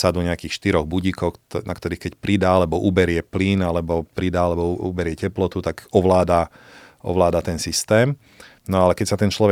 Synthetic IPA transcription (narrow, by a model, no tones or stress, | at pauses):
sad̪uɲɛakiːxʃt̪iɾɔɣbuɟikɔxnakt̪ɔɾiːxkɛcpɾid̪aːalɛbɔʔubɛɾɪɛpliːnalɛbɔpɾid̪aːalɛbɔṵbɛɾɪɛcɛplɔt̪ut̪aɡɔʋlaːd̪a | ʔɔ̰ʋlaːd̪at̪ɛnsist̪ɛːm | nɔalɛkɛcsat̪ɛnt͡ʃlɔʋɛ